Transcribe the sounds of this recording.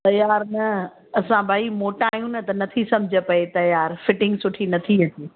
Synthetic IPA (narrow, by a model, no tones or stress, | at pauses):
t̪ɐjaːɾnɐ | ɐsãbʱaːimoːʈaːɦjũnɐt̪ɐnɐt̪ʰisɐ̃md͡ʑʱə̆pɐet̪ɐjaːɾfɪʈɪ̃ŋɡsʊʈʰinɐt̪ʰiɐtiː